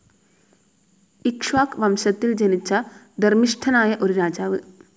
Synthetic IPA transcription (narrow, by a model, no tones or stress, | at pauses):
ikʂʋaːkʋɐmɕɐt̪ːild͡ʑɐnit͡ɕːɐ | d̪ɐrmiʂʈʰɐnaːjɐʔo̞ɾuɾaːd͡ʑaːʋɨ